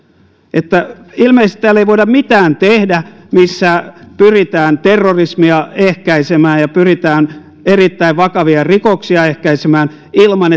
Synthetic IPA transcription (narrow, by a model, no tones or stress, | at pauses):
ʔet̪ːæilmeist̪i̥t̪ːæːlːeiʋoidɑmmit̪æːnt̪ehdæ | misːæpyrit̪æːnt̪erːorismiɑehkæisemæːjjɑpyrit̪æːn | erit̪ːæiʋʋɑkɑʋiɑrikoksiɑehkæisemæːn | ilmɑne